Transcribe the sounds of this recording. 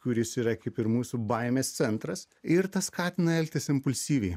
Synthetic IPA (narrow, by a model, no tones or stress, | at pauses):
kʊɾʲɪsiːɾɐkɐɪpɪɾmuːsʲuːbɐɪmʲeːst̪sʲɛnt̪ɾɐs | ɪɾt̪ɐskɑːt̪ʲɪnɐɛlʲkʲt̪ʲɪsɪmpʊlʲsʲiːʋʲɛɪ